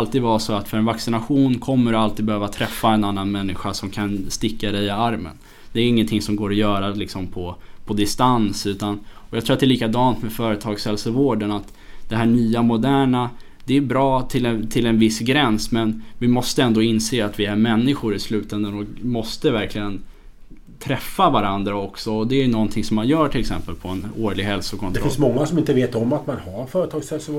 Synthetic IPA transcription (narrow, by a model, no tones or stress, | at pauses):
alt̪iːd̪vasɔat̪fœɾɛnvaksɪnaɧuːnkʰɔmːəɾalt̪ʰiːd̪bɛhøːvat̪ʰɾɛfːaɛnanːanmɛnːɪɧasɔmkʰanst̪ɪkːad̪ɛjɪaɾmə̰n | d̪̥ɛːɾɪŋːənt̪ʰɪŋsɔmɡoːɾɔjœːɾalɪksɔmpʰɔpʰɔd̪ɪst̪ansʉ̟ːt̪anɔjɑɡt̪ʰɾuːat̪d̪ɛliːkad̪ɑːnt̪mɛfœːɾət̪ʰɑːɡshɛlsəvoːɖənat̪ | d̪̥ɛɦæːɳyːamʊd̪æːɳa | d̪̥ɛæbɾɑːt̪ʰɪlɛt̪ʰɪlɛnvɪsɡɾɛnsmɛnvɪmɔst̪əɛnd̪oːɪnseːat̪vɪæɾmɛnːɪɧʊɾɪslʉ̟ːt̪ɛnd̪ənɔkmɔst̪əvæɾklɪɡən | t̪ʰɾɛfːavaɾand̪ɾaɔksɔɔd̪ɛæjɵnɔnt̪ʰɪŋsɔmːanjœːʈʰɪlɛksɛ̰mpəlpʰɔɛnoːɭɪɡɦɛlsʊkʰɔnɛɾfɪnsmɔŋːasɔmɪnt̪əveːt̪ɔmːat̪manhaɾfœːɾət̪ʰɑːɡshɛlsə